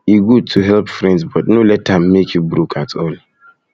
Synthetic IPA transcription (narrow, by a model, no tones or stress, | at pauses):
iɡud̚tʰuɦɛlpfɹɛ̃ndsbɔt̚nolɛtːãmːekit̚bɹukʰatsõnli